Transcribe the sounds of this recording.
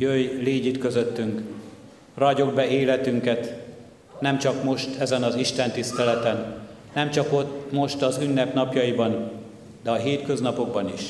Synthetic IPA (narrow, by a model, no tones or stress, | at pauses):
jøjleːɟit̪kø̞zøt̪ːyŋk | rɒɟo̞ɡ̚bɛeːlɛt̪yŋkɛt̪ | nɛmt͡ʃɒkmo̞ʃt̪ʰɛzɛnɒziʃt̪ɛnt̪ist̪ɛlɛt̪ɛnː | ɛmt͡ʃɒko̞t̪mo̞ʃt̪ɒzynːɛpnɒpjɒjibɒn | d̪ɛɒɦeːt̪køznɒpo̞ɡ̚bɒniʃ